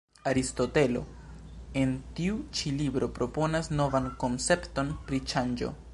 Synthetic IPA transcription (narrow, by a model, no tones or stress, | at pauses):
aɾisto̞te̞lo̞̰ | e̞ntiut͡ʃilibɾo̞pɾo̞po̞nasno̞vanko̞nt͡se̞pto̞npɾit͡ʃand͡ʒo̞̰